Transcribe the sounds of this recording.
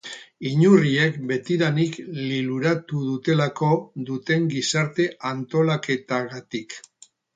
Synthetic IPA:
iɲurie̞kbe̞t̪iɾanikliluɾat̪uðut̪e̞lako̞ðut̪e̞ŋɡisaɾt̪e̞ʔant̪o̞lake̞t̪aɣat̪ik

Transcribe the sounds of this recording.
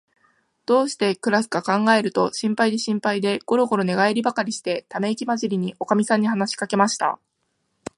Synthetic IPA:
d̪̥o̞ːɕi̥t̪e̞kɯ̟ɾasɨ̥ɡakãŋɡae̞ɾɯ̟t̪o̞ɕĩmpaid̪e̞ɕĩmpaid̪e̞ɡ̥o̞ɾo̞ɡo̞ɾo̞ne̞ɡaeɾʲibakaɾʲiɕi̥t̪e̞t̪ame̞kʲimaʑiɾʲiɲ̟iʔo̞kamʲisãɲ̟ːiɦanaɕi̥kake̞maɕi̥t̪a̰

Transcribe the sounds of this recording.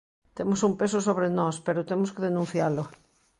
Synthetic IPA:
t̪emosumpesosoβɾenɔspeɾot̪emoskeðenũnθjalo

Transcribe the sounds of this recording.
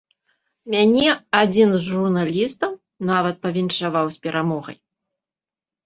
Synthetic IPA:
mʲanʲɛad͡zʲinzʐurnalʲist̪ɐm | navɐt̪̚pɐvʲinʂavawsʲpʲɛɾʔamɔɣɐ̰j

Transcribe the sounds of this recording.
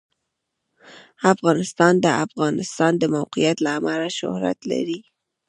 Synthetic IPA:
afɣɑnɪst̪ɑnd̪əafɣɑnɪst̪ɑnd̪əmawqijat̪laːmalaʃʊ̰hɾa̰t̪la̰ɾi

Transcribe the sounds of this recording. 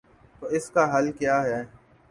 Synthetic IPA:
t̪oːɪskaːɦəlkjaːɦɛː

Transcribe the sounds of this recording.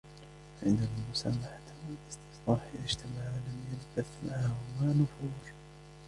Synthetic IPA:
fʕɪnd̪almʊsaːmaħat̪ɪlʔɪst̪ɪ̥sqɑːħʔɪðaʃt̪ʰamaʕlamjald̪aθmʕahmaːnʊfuːɾˤ

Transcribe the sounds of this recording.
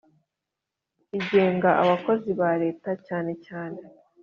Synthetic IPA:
iɟe̞ːŋɡaʔaβako̞ziβaɾe̞ːtacaːne̞caːne̞

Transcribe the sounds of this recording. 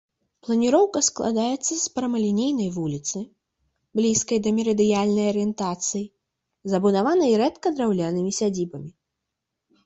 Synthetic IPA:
plˠɐnʲiɾɔwkɐsklˠa̰d̪ajɛt̪sːɐspɾɐmɐlʲinʲejnɐjvulʲit̪sɨ | blʲiskɐjd̪ɐmʲɛɾɐd̪ɨjalʲnɐjɐɾɨjɛnt̪at̪sɨji | zɐbunavanɐjiɾɛt̪kɐd̪ɾawlʲanɨmʲisʲad͡zʲibɐmʲi

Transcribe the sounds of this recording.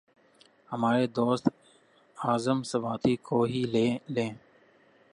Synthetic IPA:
həmaːɾeːd̪oːst̪ | aːzəmsəʋaːt̪iːkʰoːɦiːlelẽː

